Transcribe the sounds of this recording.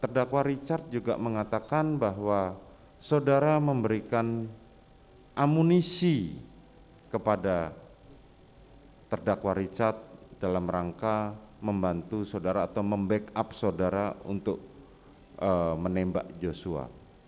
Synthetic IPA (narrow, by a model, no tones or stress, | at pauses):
t̪ərdakwaɾit͡ʃart̪̚d͡ʒuɡa̰ʔməŋat̪akanbaɦwa | sodaɾaməmbəɾikan | ʔamunisi | kəpada | t̪ərdakwaɾit͡ʃart̪̚d̥alamraŋkaməmbant̪usodaɾaːt̪awməmbɛkap̚sodaɾaṵnt̪ʊk̚ | əmənɛmba̰ʔd͡ʒosua̰